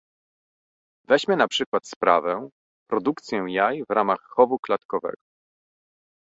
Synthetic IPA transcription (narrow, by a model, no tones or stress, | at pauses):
vɛʑmʲɛnapʂɘkwat̪spɾʔa̰vɛ̃ | pɾɔd̪ukt̪sʲjɛ̃jajvɾʔamaxːɔvuklat̪kɔvɛ̰ɡɔ